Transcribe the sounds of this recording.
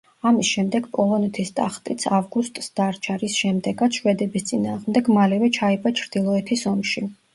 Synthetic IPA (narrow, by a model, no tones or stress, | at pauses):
amisʃɛmd̪ɛɡpʼɔlˠɔnɛt̪ʰist̪ʼa̰χt̪ʼit̪sʰavɡust̪ʼsd̪̥aɾt͡ʃʰaɾisʃɛmd̪ɛɡat̪sʰʃwɛd̪ɛbist̪sʼinaːʁmd̪ɛɡmalɛvɛt͡ʃʰaipʼat͡ʃʰɾd̪̥ilˠɔɛt̪ʰisɔmʃi